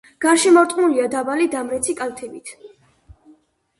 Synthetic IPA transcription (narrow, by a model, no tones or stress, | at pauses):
ɡ̥aɾʃimɔɾt̪ʼmuliad̪abalid̪amɾɛt̪sʰikʼalˠt̪ʰɛbit̪ʰ